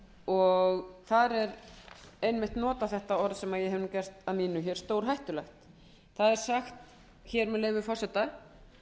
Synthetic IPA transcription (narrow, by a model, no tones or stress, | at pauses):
ɔɣθaɾɛɾ | ejnmɪht̪nɔːt̪aθɛht̪aɔɾðsɛmaðjɛhɦɛvnucɛr̥t̪aðmiːnʏçɛɾ̥st̪owɾ̥ɦajht̪ʏlɛxt̪ | θaðɛɾ̥saxt̪ | çɛɾmɛðleːjvʏfɔr̥sɛt̪a